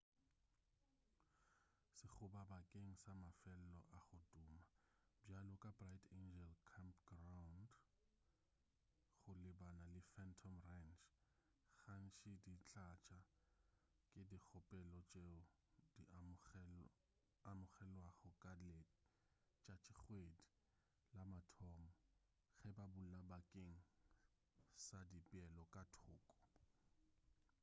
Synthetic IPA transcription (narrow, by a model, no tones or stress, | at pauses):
sɪχʰʊbabakʼeŋ̩samafɛl̩lɔ̰ʔaχʊtʼʊːma | balɔkʼabratʰend͡ʒɛlkʰampɡ̥rawnd | χʊlɪbanalɪfɛntʰɔmrant͡ʃ | ɣan̩ʃʰʼidit͡ɬat͡ʃʼa | kʼɪdik͡xʰɔpʼɛlɔt͡ʃʼeʊ | di | amʊχɛlwaχɔkʼale | t͡ʃʼat͡ʃʰʼɪχwedi | lamatʰɔmɔ | ɣɛbabulabakʼeŋ̩ | sadipʼɛlɔkʼatʰʊːkʼɔ̥